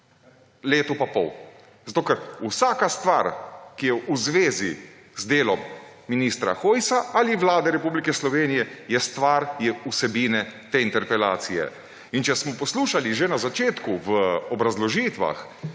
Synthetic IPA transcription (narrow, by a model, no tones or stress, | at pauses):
leːt̪ɔpapɔ̰w | zat̪oːkɛɾusaːkast̪ʋaɾkijɛʔuzʋeːzi | zd̪eːlɔmː | iniːst̪ɾa̰xoːjsaʔaliʋlaːd̪ɛɾɛpublikɛslɔʋeːnijɛjɛst̪ʋaɾjɛusɛbiːnɛt̪eːint̪ɛɾpɛla̰ːt̪sijɛ̰ | int͡ʃɛsmɔpɔsluːʃaliʒenazat͡ʃeːt̪kuʋəɔbɾazlɔʒiːt̪ʋa̰x